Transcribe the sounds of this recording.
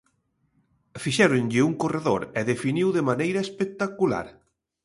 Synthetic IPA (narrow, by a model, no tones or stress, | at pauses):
fiʃɛɾonʎɪuŋkoreðoɾɛðefiniwðemanejɾɐespek̚t̪akula̰ɾ